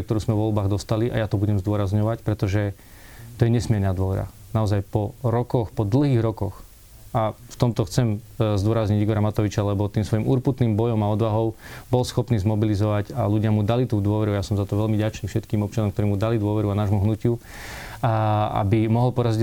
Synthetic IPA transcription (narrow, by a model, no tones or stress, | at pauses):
kt̪ɔɾuːzmɛʋʋɔlbaːɣd̪ɔst̪aliʔa̰jat̪ɔbuɟɛmzd̪ʊɔɾazɲɔʋacpɾɛt̪ɔʒɛ | t̪ɔjɛɲɛsmɪɛɾnaːd̪ʊɔʋɛɾa̰ | naɔzajpɔɾɔkɔxpɔd̪l̩ˠɦiːɣɾɔkɔx | aft̪ɔmt̪ɔxt͡sɛmzd̪ʊɔɾazɲiɟiɡɔɾamat̪ɔʋit͡ʃalɛbɔt̪iːmsʋɔjimuɾput̪niːmbɔjɔmaɔd̪ʋaɦɔʊbɔlsxɔpniːzmɔbilizɔʋaɟaluɟɪamud̪alit̪uːd̪ʊɔʋɛɾuajasɔmzat̪ɔʋɛlmiɟat͡ʃniːfʃɛt̪kiːmɔp̚t͡ʃɪanɔmkt̪ɔɾiːmud̪alid̪ʊɔʋɛɾuanaːʒmuɦnucɪu | a̰bimɔɦɔlpɔɾaziɟ